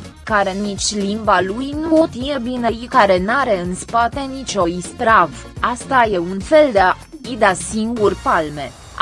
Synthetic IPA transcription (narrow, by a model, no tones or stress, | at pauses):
kaɾe̞nit͡ʃʲlimbalujnuot̪jebinejkaɾe̞naɾe̞ɨnspat̪e̞nit͡ʃʲo̞ist̪ɾavast̪aje̞unfe̞ld̪ea | id̪easiŋɡurpalme̞